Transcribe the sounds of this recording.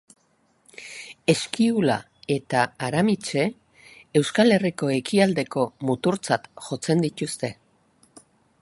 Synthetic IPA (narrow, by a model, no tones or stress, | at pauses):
e̞skiula̰ | e̞t̪aːɾamit͡ʃe̞ | e̞wskale̞riko̞e̞kiald̪e̞ko̞mut̪uɾt͡sat̪ʝo̞t͡se̞nd̪it̪ust̪e̞